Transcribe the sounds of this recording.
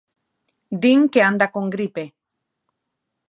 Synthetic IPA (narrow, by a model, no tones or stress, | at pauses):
d̪iŋkeand̪akoŋɡɾipe